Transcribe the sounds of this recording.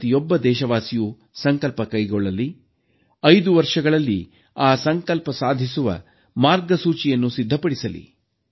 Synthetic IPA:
t̪ijɔbːɐd̪ɛːʃɐʋaːsiju | sɐŋkɐlpɐkɐjɡɔɭːɐli | ɐjd̪uʋɐɾʂɐɡɐɭɐlːḭ | aːsɐŋkɐlpɐsaːd̪ʱisuʋɐ̰ | maːɾɡɐsuːt͡ʃijɐnːusid̪ʱːɐpɐɽisɐlḭ

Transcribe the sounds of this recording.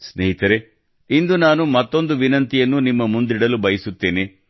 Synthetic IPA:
sneɦit̪ɐɾe | ind̪unaːnumɐt̪ːo̞nd̪uʋinɐnt̪ijɐnːunimːɐmund̪iɽɐlubɐjɐsut̪ːe̞ːne

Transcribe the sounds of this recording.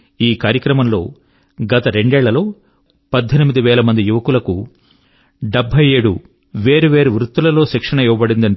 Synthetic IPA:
iːkaːɾjɐkɾɐmɐmlo̞̰ː | ɡɐt̪ɐɾe̞ɳɖɛːɭːɐlo̞ː | pɐd̪ʱːɐnimid̪iʋɛːlɐmɐnd̪ijuʋɐkulɐku | ɖebʱːɐjeːɽṵ | ʋeːɾuʋeːɾuʋɾut̪ːulɐlo̞ːʃɛkʂɐɳɐjiʋɐbɐɽind̪ɐɳ

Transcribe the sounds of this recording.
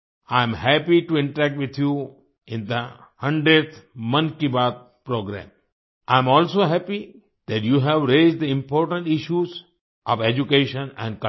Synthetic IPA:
ãɪ̃mhæpiʈuɪ̃ɳʈəɾæk̚ʈʋɪt̪ʰju | ɪ̃nd̪əhʌ̃ɳɖɾeɖt̪ʰmʌ̃nkibaːd̪̚ | pɾoːɡɾæ̰̃ːm | ʔãɪ̃mɔːlsoːɦæpi | d̪̥æʈjuːɦɛʋɾeːzɖd̪əɪ̃mpɔːɾʈə̃ɳʈɪʃjuz | ʔɔ̰ʋed͡ʒukeːʃə̃nɛ̰̃ɳɖkʌ

